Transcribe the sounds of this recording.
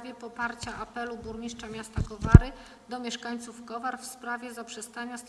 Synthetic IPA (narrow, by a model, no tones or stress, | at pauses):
vʲjɛpɔpaɾt͡ɕaʔapɛlubuɾɲiʂt͡ʂamʲjast̪akɔvaɾɘ | d̪ɔmʲjɛʂkaɲt̪sufkɔvaɾfspɾavʲjɛzapʂɛst̪aɲas